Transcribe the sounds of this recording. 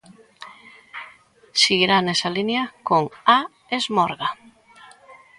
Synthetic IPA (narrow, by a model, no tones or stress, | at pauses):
siɣiɾanɛsalinjakoŋa | ezmɔɾɣa